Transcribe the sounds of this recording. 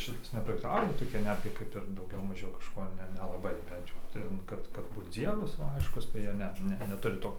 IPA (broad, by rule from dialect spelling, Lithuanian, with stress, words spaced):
ˈʃʲɪtɐs nʲɛprɐktʲɪˈkɑːʋoː toːˈkʲɪ ˈnʲæːdʲɡʲɪ ˈkɐɪp ɪr ˈdɐʊɡʲɛʊ ˈmɑːʒʲɛʊ kɐʃˈkoː ˈnʲɛ nʲɛlˠɐˈbɐɪ ˈbʲɛnt jɛʊ ˈtʲɛn ˈkɐt kɐt ˈbuːt ˈd͡zʲiɛʋɐs ʋɐ ˈɐɪʃkʊs tɐɪ ˈjiɛ ˈnʲɛ ˈnʲɛ nʲɛˈtʊrʲɪ ˈtoː